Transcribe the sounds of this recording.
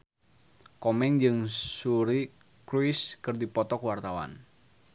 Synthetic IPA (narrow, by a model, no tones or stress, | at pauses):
kɔmɛŋd͡ʒɨŋsuɾi | kɾwiskɨrdipɔt̪ɔkwart̪awa̰n